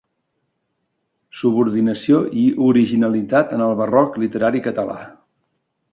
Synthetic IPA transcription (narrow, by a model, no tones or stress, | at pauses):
suβuɾðinəsioʔiʔuɾiʒinəlit̪at̪ənəlˠβərɔklit̪əɾaɾikət̪əla̰